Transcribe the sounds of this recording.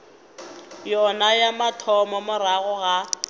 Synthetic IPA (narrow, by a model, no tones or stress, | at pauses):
jɔnajamatʰɔmɔmʊraɣʊɣa